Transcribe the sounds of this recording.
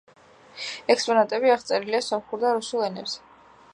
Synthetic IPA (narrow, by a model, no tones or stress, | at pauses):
ɛkspʼɔnat̪ʼɛbiaʁt̪sʼɛɾiliasɔmχuɾd̪aɾusulˠɛnɛpsɛ